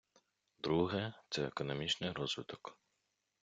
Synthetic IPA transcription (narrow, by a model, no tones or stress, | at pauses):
d̪ɾuɦɛt̪sɛekɔnɔmʲit͡ʃnɪjɾɔzʋɪt̪ɔ̥k